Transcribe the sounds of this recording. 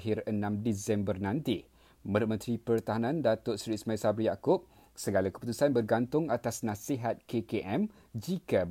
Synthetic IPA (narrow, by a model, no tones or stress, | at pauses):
ɦɪrənãmdisɛmbərnãnt̪i | mə̃dʊt̪̚mə̃nt̪ɾipərt̪aɦanãndat̪ʊʔsɾismajsabɾijakʊp̚ | səɡalakə̥put̪usanbərɡant̪ʊŋat̪asnãsiɦat̪̚kekeʔɛm | d͡ʒika